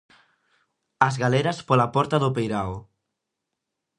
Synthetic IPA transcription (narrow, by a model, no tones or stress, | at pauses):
azɣaleɾɐspɔlapɔɾt̪aðʊpejɾaw